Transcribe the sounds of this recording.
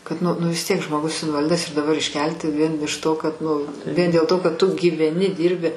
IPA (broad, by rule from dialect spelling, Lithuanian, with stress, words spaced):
kɐt ˈnʊ nʊ ʋʲɪs ˈtʲiɛk ʒmoːˈɡʊs ɪnʋɐˈlʲɪdɐs ɪr dɐˈbɐr ɪʃʲˈkʲɛlʲtʲɪ ʋʲiɛn ɪʃ toː kɐt ˈnʊ ʋʲiɛn dʲeːlˠ ˈtoː kɐt ˈtʊ ɡʲiːʋʲɛˈnʲɪ ˈdʲiːrʲbʲɪ